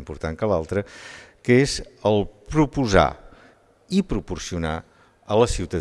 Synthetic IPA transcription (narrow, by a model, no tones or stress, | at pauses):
mpuɾt̪aŋkəlalˠt̪ɾəkəezəlˠpɾupuza̰ | ipɾupursiuna | ələsiwt̪ə